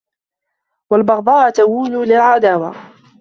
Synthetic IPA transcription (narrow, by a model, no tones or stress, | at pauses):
walbɑɣd̪ˤɑːʔt̪awuːlulɪlʕad̪aːwa̰